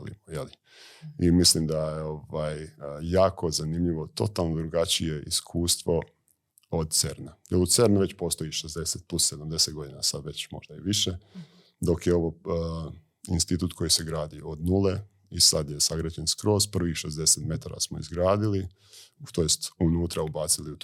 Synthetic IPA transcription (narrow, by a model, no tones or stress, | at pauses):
lḭmojeli | imislimd̪ajeoʋaːjːaːkʰo̞zanimʎiʋo̞t̪o̞t̪alˠnod̪ɾuɡat͡ɕije̞ʔiskʰuːst̪ʋo̞ | od̪̚t̪seɾnajelˠud̪seɾnuʋe̞t͡ɕpo̞st̪o̞jiʃezd̪e̞set̪̚plˠusse̞d̪amd̪e̞set̪ɡo̞d̪inasad̪ʋe̞t͡ɕmo̞̰ʒd̪aiʋiʃe̞ | d̪o̞kjeo̞ʋo | inst̪it̪uːt̪ko̞jiseɡɾaːd̪iod̪nule̞ | isad̪je̞saɡɾad͡ʑenskɾo̞ːspr̩ʋixʃe̞zd̪e̞set̪me̞t̪aɾa̰smoḭzɡɾaːd̪ili | t̪o̞jest̪unuːt̪ɾaubaːt̪siliut̪